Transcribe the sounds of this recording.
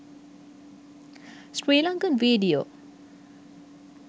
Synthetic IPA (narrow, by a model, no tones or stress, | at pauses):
sɾeːlãŋkə̃nʋiːɖio̰ː